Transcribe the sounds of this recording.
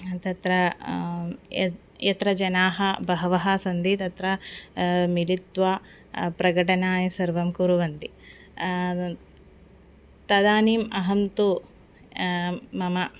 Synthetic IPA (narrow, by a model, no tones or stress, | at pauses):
t̪ɐt̪ɾɐ | jɐt̪ɾɐd͡ʒɐnaːɦɐbɐɦɐʋɐɦɐsɐnd̪it̪ɐt̪ɾɐ | milit̪ʋaː | pɾɐɡɐʈɐnaːjɐsɐɾʋɐmkuɾuʋɐnd̪i | t̪ɐd̪aːniːmɐɦɐnt̪u | mɐmɐ